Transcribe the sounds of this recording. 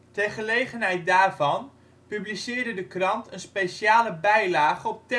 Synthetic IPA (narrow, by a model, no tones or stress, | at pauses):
tɛrχəlejχənɦɛjt̚daːrvɑn | pyblisɪːɹdədəkrɑntʰənspeʃaːləbɛjlaːχəɔp̚tɛ